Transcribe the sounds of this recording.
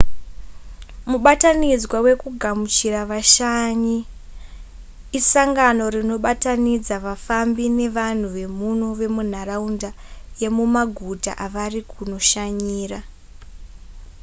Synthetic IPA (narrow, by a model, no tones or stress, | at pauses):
muɓatanid͡zwawe̞kuɡʱamut͡ʃiraʋaʃaɲi | saŋɡano̞ɾino̞ɓatanid͡zaʋafambine̞ʋan̤uʋe̞muno̞ʋe̞mun̤araunda | je̞mumaɡʱuta̰ʔaʋarikuno̞ʃaɲiːra